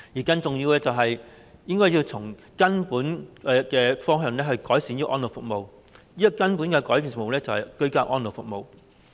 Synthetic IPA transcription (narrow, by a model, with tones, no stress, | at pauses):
jiː˨˩kɐ˧nt͡sʊ˨ŋjiː˧wɛː˥t͡sɐ˨wɦɐ˨j | jɪ˥ŋkɔː˥ji˧wt͡sʰʊ˨˩ŋ | kɐ˥npuː˨˥nɛ˧kɛː˧fɔː˥ŋɦœː˨˧ŋlɛː˥hɵ˧ɥkɔː˨˥jsiː˨˥njiː˥ʔɔ̰ː˥nlo˨˩fʊ˨k̚mo˨w | jiː˥jɐ˥kɐ˥npu˨˥nkɛː˧kɔː˨˥jpiː˨nsfk̚m˨˧wlɛː˥t͡sɐ˨whɐ˨jkɵ˧˥ɥkaː˧wʔɔː˥nlo˨wfʊ˨k̚mo˨˧w